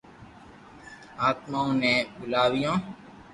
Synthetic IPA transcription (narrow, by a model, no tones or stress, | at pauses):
aːt̪maːõːnẽːbʊlaːʋijãː